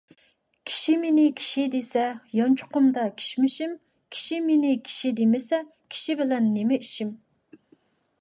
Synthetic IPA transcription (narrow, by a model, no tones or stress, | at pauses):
kʲʰi̥ʃimenɪkʲʰi̥ʃid̪esɛjɑnt͡ʃʰʊ̥qʊmd̪ɑkʲʰi̥ʃmɪʃim | kʲʰi̥ʃimenɪkʲʰi̥ʃid̪emɪsɛ | kʲʰi̥ʃibɪlɛnːemɪiʃim